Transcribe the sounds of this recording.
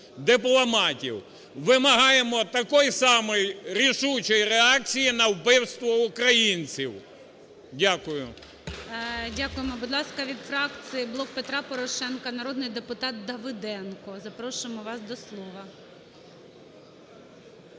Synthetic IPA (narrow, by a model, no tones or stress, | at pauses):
d̪ɪplˠɐmɑtʲḭw | ʋɪmɐɦɑjemɔt̪ɐkɔjsɑmɔjɾʲiʃut͡ʃɔjɾeɑk̚t͡sʲijinɐwpɪwst̪ʋɔʊkɾɐjinʲt͡sʲiw | dʲakʊjʊ | dʲakʊjemɔbʊd̪lˠɑskɐʋʲid̪fɾɑkt͡sʲijiblˠɔk̚pet̪ɾɑpɔɾɔʃɛnkɐnɐɾɔd̪nɪjd̪epʊt̪ɑt̪̚d̪ɐʋɪd̪ɛnkɔzɐpɾɔʃʊɪmɔʋɑsd̪ɔslˠɔʋɐ